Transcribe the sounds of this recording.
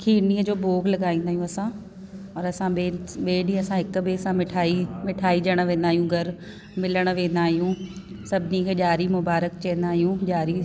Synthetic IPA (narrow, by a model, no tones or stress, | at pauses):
kʰiːniːəd͡ʑoːboːɡlɐɠaːĩːnd̪aːɦijũɐsã | ɔːɾɐsãɓeːɓeːɖĩɐsãɦɪkbeːsãmɪʈʰaːimɪʈʰaːid͡ʑɐɽ̃ʋẽːnd̪aːɦijũɡʱɐɾ | mɪləɽ̃ʋẽːnd̪aːɦijũ | sɐbʱɪnikʰeːʄaːɾimʊbaːɾəkt͡ɕɛ̃ːnd̪aːɦijũʄaːɾi